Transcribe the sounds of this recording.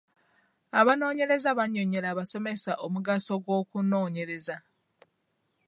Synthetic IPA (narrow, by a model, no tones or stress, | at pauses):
aβano̞ːɲe̞ɾe̞zaβaɲːo̞ɲe̞ɾaːβaso̞me̞saʔomuɡaso̞ɡwo̞ːkuno̞ːɲe̞ɾe̞za